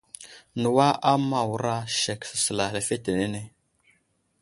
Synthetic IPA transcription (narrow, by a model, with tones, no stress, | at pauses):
nə˨wa˦ʔa˦ma˨wu˨ɾa˦ʃe˨ksə̥˨sə˨la˨le˨fe˦te˨ne˦ne˦